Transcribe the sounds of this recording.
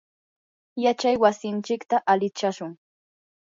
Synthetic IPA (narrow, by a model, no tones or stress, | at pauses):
jat͡ʃajwasɪnt͡ʃɪkt̪aʔalɪt͡ʃaʃʊŋ